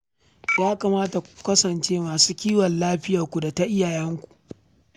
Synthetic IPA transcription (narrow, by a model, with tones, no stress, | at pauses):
jaː˦kaː˨maː˦ta˨kkɐ˦sɐ˨nt͡ʃeː˦maː˨suː˦kʲiː˦wɐ˨nlaː˦ɸɪ˦ja˨kʷu˨da˨ta˦ʔɪ˦jaː˨jɛ˦ŋkʷu̥˨ʔ